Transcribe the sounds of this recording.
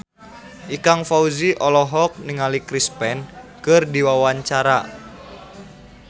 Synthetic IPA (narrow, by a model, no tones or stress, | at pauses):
ʔikaŋfauziʔɔlɔɦɔk̚niŋalikɾispɛnkɨrdiwawaɲt͡ʃaɾa